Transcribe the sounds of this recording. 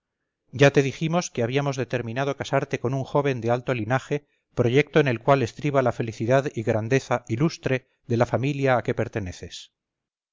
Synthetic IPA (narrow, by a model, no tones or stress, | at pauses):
ɟ͡ʝat̪e̞ð̞iximo̞skeaβ̞iamo̞zðe̞t̪e̞ɾmĩnað̞o̞kasaɾt̪e̞ko̞nuŋxo̞β̞e̞nd̪ealt̪o̞linaxe̞ | pɾoʝe̞k̚t̪o̞ene̞lkwale̞st̪ɾiβalafe̞liθiðaðiɣɾand̪e̞θaʔilust̪ɾe̞ | ðelafamiljaːke̞pe̞ɾt̪e̞ne̞θe̞s